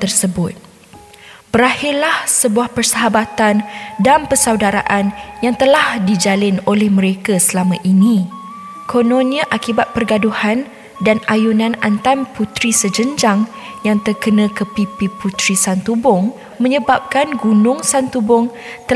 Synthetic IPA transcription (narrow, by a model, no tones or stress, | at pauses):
t̪ərsəbʊt̪̚ | pəɾahɪrlahsəbuahpərsəɦabat̪andanpəsawdaɾa̰ʔanjaŋt̪əlahdid͡ʒalɪnolɛhmə̃ɾekasəlamãʔinĩ | kʰonõniaʔakibat̪̚pərɡaduhan | danajunãnant̪anput̪ɾisəd͡ʒəɲd͡ʒaŋ | jaŋt̪ərkənə̃kəpipiput̪ɾisant̪ubʊŋ | mə̃ɲəbap̚kanɡunʊ̃ŋsant̪ubʊŋ | t̪ə